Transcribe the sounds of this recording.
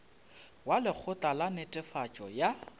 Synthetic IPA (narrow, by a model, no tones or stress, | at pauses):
walɪk͡xʰʊtʼalanɪtʼɪfat͡ʃʼɔja